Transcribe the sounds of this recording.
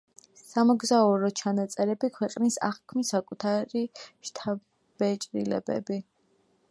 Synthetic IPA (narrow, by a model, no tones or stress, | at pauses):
samɔɡzaɔɾɔt͡ʃʰanat̪sʼɛɾɛbikʰwɛqʼnisa̰χkʰmisakʼut̪ʰaɾiʃt̪ʰa | b̥ɛt͡ʃʼɾḭlɛ̰bɛ̰bi